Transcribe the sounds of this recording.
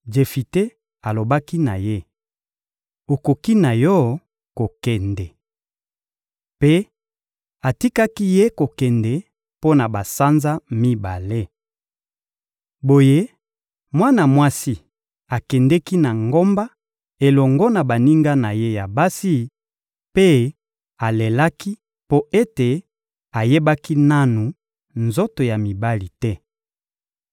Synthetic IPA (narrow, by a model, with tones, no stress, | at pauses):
d͡ʒe˨fi˨te˦ | a˨lo˨ba˦ki˦na̰˨je˦ | o˨ko˨ki˦na˨jɔ˦ | ko˨kɛ˨ndɛ˨ | pe˦ | a˨ti˦ka˦ki˦je˦ko˨kɛ˨ndɛ˨ | po˦na˨ba˨sa˦nza˦mi˦ba˨le˦ | bo˨je˦ | mwa˦na˨mwa˦si˦ | a˨kɛ˨ndɛ˦ki˦na˨ŋɡo˦mba˦ | e˨lɔ˨ŋɡɔ˦na˨ba˨ni˦ŋɡa˦na˨je˦ja˨ba˦si˦ | pe˦ | a˨le˨la˦ki˦ | po˦e˦te˨ | a˨je˦ba˦ki˦na˦nu˨ | nzo˦to˨ja˨mi˨ba˦li˨tɛ˦